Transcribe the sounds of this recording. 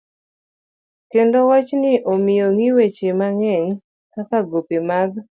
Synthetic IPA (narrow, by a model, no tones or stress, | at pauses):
kendowat͡ʃnɪʔomɪjoŋiwet͡ʃemaŋɛŋ | kakaɡopemaɡ